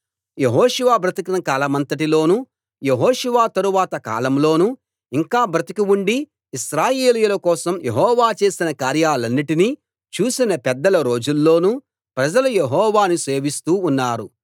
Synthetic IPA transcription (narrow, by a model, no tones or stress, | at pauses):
jeɦɔːʃuʋaːbʱɾɐt̪ikɐnɐkaːlɐmɐnt̪ɐʈilo̞ːnu | jeɦɔːʃuʋaːt̪ɐɾuʋaːt̪ɐka̰ːlɐmlo̞ːnu | iŋkaːbɾɐt̪ikiuɳɖiː | ʃɾaːjeːlijulɐkɔːsɐmjeɦɔːʋaːt͡ʃe̞ːsinɐkaːɾjaːlɐnːiʈiniː | t͡ʃuːsinɐpɛd̪ːɐlɐɾo̞ːd͡ʒulːo̞ːnu | pɾɐd͡ʒɐlujeɦɔːʋaːnuse̞ːʋist̪uːnːaːɾu